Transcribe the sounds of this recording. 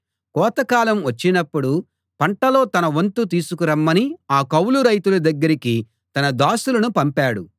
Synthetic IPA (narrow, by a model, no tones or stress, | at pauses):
kɔːt̪ɐkaːlɐmʋɐt͡ʃːinɐpːuɽu | pɐɳʈɐloːt̪ɐnɐʋɐnt̪ut̪iːsukuɾɐmːɐniaːkɐwluɾɐjt̪ulɐd̪ɐɡːɐɾiki | t̪ɐnɐd̪aːsulɐnupɐmpaːɽu